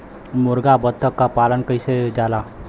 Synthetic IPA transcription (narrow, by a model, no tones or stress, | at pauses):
mʊɾɡabət̪ʰːəkːapalənkəjsed͡ʒala